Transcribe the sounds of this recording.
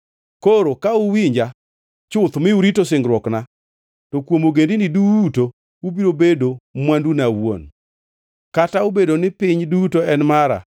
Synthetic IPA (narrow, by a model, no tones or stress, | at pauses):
koɾokaʊwiɲd͡ʒa | t͡ʃʊt̪mɪuɾitosɪŋɡɾwɔkna | tɔkwomoɡendinɪduto | ubiɾobedomwandunawo̰n | kataubedonɪpɪɲdutoɛnmaɾa̰